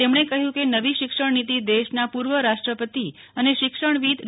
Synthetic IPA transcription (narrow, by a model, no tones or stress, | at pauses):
emɳ̃ekəɦjũkenəʋiʃɪkʂəɳnit̪id̪eʃnapuɾʋəɾaʃʈɾəpət̪i | əneʃɪkʃəɳʋid̪